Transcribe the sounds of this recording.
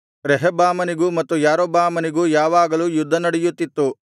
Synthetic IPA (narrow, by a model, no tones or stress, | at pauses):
ɾɛɦɐbaːmɐniɡumɐt̪ːujaːɾoːbaːmɐniɡuːjaːʋaːɡɐluːjud̪ʱːɐnɐɽɛjut̪ːit̪ːu